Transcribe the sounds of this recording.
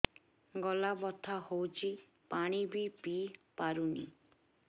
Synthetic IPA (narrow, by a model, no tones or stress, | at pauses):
ɡɔlabɔt̪ʰahowt͡ʃʰi | paɽ̃ibʱipipaɾunḭ